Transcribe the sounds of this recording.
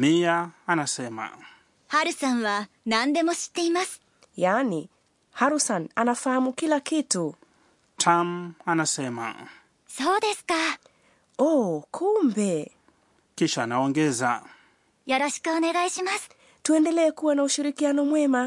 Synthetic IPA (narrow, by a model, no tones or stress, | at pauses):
miaːnasɛma̰ | haɾɯ̟sãɰ̃βa | nãnd̪e̞moɕi̥t̪ːe̞imasɨ̥ | jani | haɾusananafahamukilakitu | tʰamanasɛma̰ | soːd̪e̞sɨ̥ka | ɔkʰumbɛ | kiʃaːnaɔŋɡɛza | joɾoɕi̥kɯoneɣaiɕimasɨ̥ | tuɛndɛlɛːkuwanauʃiɾikianɔmwɛma